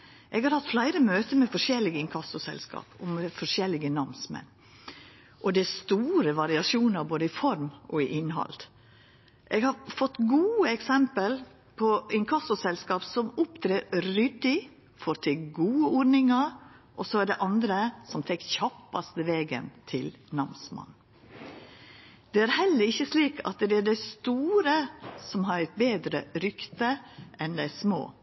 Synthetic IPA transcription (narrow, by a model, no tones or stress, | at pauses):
ʔɛɡhɑɾhɑt̪flæɪɾəmøːt̪əmɛfɔʂɛlːɪɡɪŋkʰɑsʊsɛ̰lskɑ̰ːpɔmɛfɔʂjɛlːɪɡənɑmsmɛ̰n | ʔɔd̪ɛæst̪uːɾəʋɑɾɪɑʂuːnɑɾboːd̪əɪfɔɾmʔɔɪʔɪnɦɑ̰lt̪ | ʔɛɡhɑɾfɔt̪ːɡuːəɛksɛmpəl | pʰɔɪŋkʰɑsʊsɛlskɑːpsɔmʊpt̪ʰɾeːɾʏd̪ɪ | fɔɾt̪ʰɪɡuːəɔɾnɪŋɑɾʔɔsɔæɖɛʔɑnd̪ɾəsɔmfɛkːçɑpːɑst̪əʋeːɡə̰nt̪ʰɪlnɑmsmɑ̰n | d̪̥ɛæːɾhɛlːəɾɪçːəsliːkʰɑ̰t̪d̪ɛædæɪst̪uːɾəsɔmɦɑɾɛt̪̚beːd̪ɾəɾʏkt̪əʔɛnd̪ɛsmo̰ː